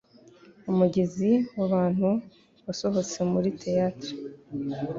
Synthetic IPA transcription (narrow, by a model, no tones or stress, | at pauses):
umuɟe̞ziwaβaːn̥hu | βaso̞ɦo̞t͡se̞muɾitʰe̞jaːtɾo